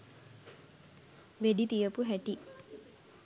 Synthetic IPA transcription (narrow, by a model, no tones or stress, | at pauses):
ʋeɖit̪ijəpuɦæʈi